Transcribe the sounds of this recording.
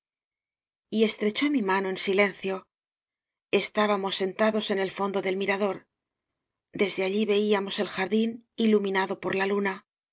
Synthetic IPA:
ie̞st̪ɾe̞t͡ʃo̞mimano̞e̞nsile̞n̟θjo̞ | e̞st̪aβamo̞sːe̞nt̪aðo̞se̞ne̞lfo̞nd̪o̞ðe̞lmiɾaðo̞ɾ | d̪e̞zðe̞aʎiβe̞iamo̞se̞lxaɾðinilumĩnaðo̞po̞ɾlaluna

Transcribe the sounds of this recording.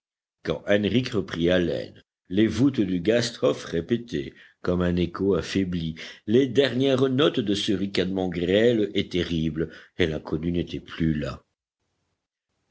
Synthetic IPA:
kɑ̰̃ʔɛnʁikʁəpχialɛ̰n | levut̪d̪yɡast̪χɔfʁepet̪e | kɔmɛ̃nekoafebliled̪ɛʁnjɛʁnɔt̪d̪əsəʁikad̪mɑ̃ɡʁɛlɛt̪eʁiblelɛ̃kʰɔnynet̪ɛplyla̰

